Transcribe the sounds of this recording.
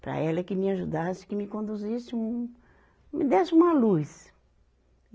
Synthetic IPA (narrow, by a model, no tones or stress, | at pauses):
pɾɐ̰ɛlɐkɪmɪaʒud̪asɪ̥kɪmɪkõnd̪uzisɪũ | mɪd̪ɛsɪũmɐlus